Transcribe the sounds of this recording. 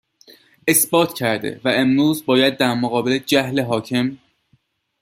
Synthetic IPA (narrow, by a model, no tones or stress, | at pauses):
e̞sbɒːt̪ʰcʰæɾd̪ḛvæʔemɾuːzbɒːjæd̪̚ːæɾmoɣɒːbeled͡ʒæhleɦɒːcʰe̞m